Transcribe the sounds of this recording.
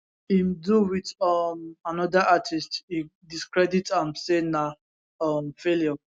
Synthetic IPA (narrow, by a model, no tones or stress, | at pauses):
imduwitɔmanɔdaʔatʰistidiskɹɛditãnsena | ɔmfeljɔ